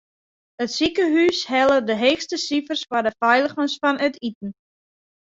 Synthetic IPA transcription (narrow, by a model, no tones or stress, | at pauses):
ətsikəɦyshɛlˠədəɦeːxstəsifərsfardəfɛjlˠəχənsfɔnətitn̩